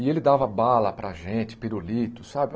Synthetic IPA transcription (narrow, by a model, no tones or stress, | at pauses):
ɪelɪd̪avɐbalɐpɾɐʒẽt͡ʃɪ̥piɾolit̪ʊsabɪ